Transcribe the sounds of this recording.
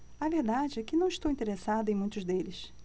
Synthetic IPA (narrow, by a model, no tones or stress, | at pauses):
aveɾd̪ad͡ʒɪɛkɪnɐ̃w̃iʃt̪owĩnt̪eɾesad̪ɐẽj̃mũj̃t̪ʊzd̪elɪs